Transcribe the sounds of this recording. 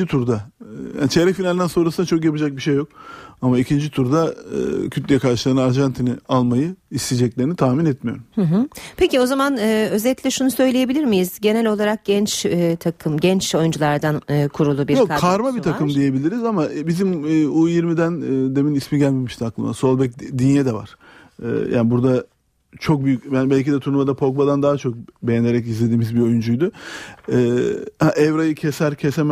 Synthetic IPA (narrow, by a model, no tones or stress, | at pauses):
it̪ʰuɾd̪aja̰ːnit͡ʃʰeɾɛfinalʲind̪ænso̞nɾasɯnat͡ʃʰo̞kjapɯd͡ʒak̚biʃejːok̚amaicʰind͡ʒit̪ʰuɾd̪a̰cʰyt̪lʲejɛkʰaɾʃɯlˠaɾɯnaɾʒant̪ʰinialˠmajɯist̪id͡ʒɛclʲeɾinit̪ʰaːminɛt̪mijo̞ɾummhɯ̃ɦɯpʰe̞cio̞zamanɯø̞zɛlʲilʲɛʃunusø̞jlʲeje̞bilʲiɾmijizɟe̞nɛlʲo̞lˠaɾak̚ɟ̥ɛnt͡ʃːt̪ʰakʰɯmɟɛnt͡ʃo̞jund͡ʒulˠaɾd̪anːkʰuɾulˠubiɾjokaaɾmabit̪ʰakʰɯmd̪ije̞bilʲiɾizamabizimːujiɾmid̪ænːd̪e̞minismiɟælʲmimiʃt̪aklˠɯma̰so̞lˠbɛc̚d̪injɛd̪ɛva̰ɾ̥ | ɛ̰ːja̰ːnibuɾd̪a | t͡ʃʰo̞k̚byjyc̚ʲbænbælʲcid̪ɛt̪ʰuɾnumad̪apʰo̞k̚bad̪and̪aɦat͡ʃʰo̞k̚be̞jɛne̞ɾɛc̬izlʲe̞d̪iːmizbio̞jund͡ʒujd̪ʊɛːhaʔɛvɾajɯcʰesæɾcʰesem